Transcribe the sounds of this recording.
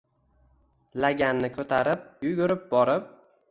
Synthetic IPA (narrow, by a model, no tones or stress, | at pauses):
laɡʲanːɪkʰɵt̪ʰaɾɪp̚jʊɡʲʊɾɪp̚bɒɾɪp̚